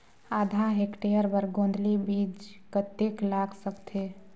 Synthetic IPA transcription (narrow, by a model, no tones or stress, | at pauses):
ad̪ʱaɦekʈejəɾbəɾɡõnd̪ʱlibid͡ʒkət̪eklakʰsəkt̪ʰe